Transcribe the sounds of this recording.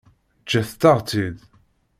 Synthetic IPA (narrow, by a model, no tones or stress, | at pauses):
t͡ʃːæθt̪ːaʁt͡sid̪